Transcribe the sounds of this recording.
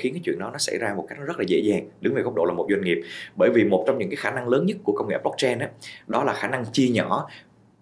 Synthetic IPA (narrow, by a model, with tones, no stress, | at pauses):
xi˨˦nkaː˨˦jt͡ɕwḭ˧˨ənɗɔ˨˦nɔ˨˦sa̰˧˩jzaː˧mo˨˩ka˦˥jk̚zə˦˥laː˨˩zḛ˧˥zaː˨˩ŋɗɨ˨˦ŋve˨˩kk͡p̚ɗo̰˧˨lːmo˨˩t̚zwa˧ŋ̟ŋi˨˩əp̚ɓəː˧˩jvi˨˩mo˨˩t̚t͡ɕɔ˧wŋ͡mɲɨ̰˧˥ŋkaː˨˦jxaː˧˩na˧ŋləː˨˦nɲə˦˥t̚ku˧˩əkə˧wŋ͡mḭ˧˨˩p̚lɔ˦˥k̚t͡ɕɛ˧nʔaː˨˦ɗɔ˨˦laː˨˩xaː˧˩na˧ŋt͡ɕi˧əɲɔ̰˧˩